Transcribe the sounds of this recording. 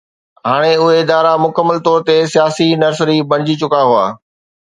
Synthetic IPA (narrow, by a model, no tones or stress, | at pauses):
ɦaːɽ̃eʊɦeɪd̪aːɾamʊkəmːəlt̪ɔːɾt̪esijaːsinɐɾsɾibɐɽ̃ɪd͡ʑit͡ɕʊkaɦʊa̰ː